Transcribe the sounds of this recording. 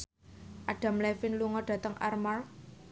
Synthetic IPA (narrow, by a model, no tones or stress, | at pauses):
ʔaɖ̥a̤mlɛfɪnluŋɔɖ̥ä̤t̪əŋʔa̰rmar